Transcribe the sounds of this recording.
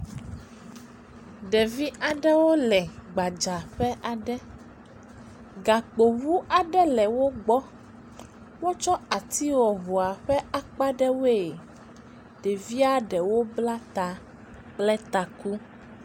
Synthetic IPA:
ɖɛ˨vi˦ʔa˨ɖɛ˦wo˦lɛ˨ɡ͡ba˨d͡ʒa˨ɸɛ˦ʔa˨ɖɛ˦ | ɡa˨k͡po˨wu˦a˨ɖɛ˦lɛ˨wo˦ɡ͡bɔ˦ | wo˦t͡ʃɔ˦a˨t̪i˦wɔ˨ɦo˨a˨ɸɛ˦a˨k͡pa˦ɖɛ˦wo˦e˨ | ɖe˨vi˦a˦ɖɛ˨wo˦bla˦t̪a˨ | k͡plɛ˦t̪a˨ku˦

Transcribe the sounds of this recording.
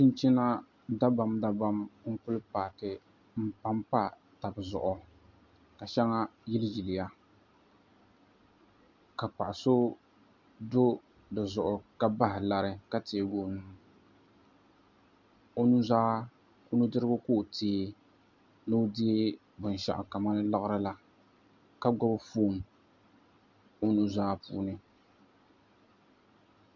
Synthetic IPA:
tɪ˦n˦t͡ʃi˦na˦ | da˦ba˨mda˦ba˦mŋ̩˦pʊ˦lpaː˨tɪ˨ | m̩˦pa˦mpa˦ | ta˨bzʊ̰˨ʔʊ˨ | ka˨ʃɛ˦ŋa˦jɪ˦ld͡ʒi˨lɪ˨ja˦ | ka˨pa˨ʔa˨so˦ | do˦ | dɨ˨zʊ˨ʔʊ˨ka˦ba˦ɦɪ˨la˨ɾɪ˦ka˦te˨˦˨ɡoː˦nɨ˨m˦ | o˦nu˦zaː˦ | ʊ˦nu˦dɨ˦ɾɨ˦ɡʊ˦ko˦˨tʰeː˨˦ | lo˦dɪ˦e˦ | bʊ˨n˨ʃa̰˨ʔʊ̰˨ka˨ma˦nɨ˦la˦ɣɾɨ˦la˨ | ka˦ɡɔ˦bfoː˦˨m˨ | o˦nu˦zaː˦pṵː˦nɨ˦

